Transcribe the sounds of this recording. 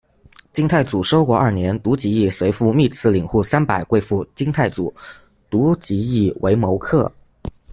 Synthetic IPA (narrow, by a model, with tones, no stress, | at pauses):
t͡ɕi˥ŋt̪ʰa˥˩ɪt͡su˨˩ʂo˥ʊkwɔ˥˧ɐ˞˥˩njɛ˧˥nt̪u˧˥t͡ɕi˧˥i˥˩swe˧˥ɪfu˥˧mi˥˧t͡sʰɹ̩˥˩li˨˩ŋxu˥˩sa˥npa˨˩ɪkwe˥ɪfu˥˩t͡ɕi˥ŋt̪ʰa˥˩ɪt͡su˨˩˦ | t̪u˧˥t͡ɕi˧˥i˥˩wʔe˧˥ɪmo˧˥ʊkʰɤ˥˩